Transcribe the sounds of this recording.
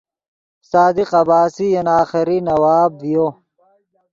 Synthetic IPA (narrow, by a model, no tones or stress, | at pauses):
saːd̪iqɐbaːsijɐnaːxiɾinɐwaːbjo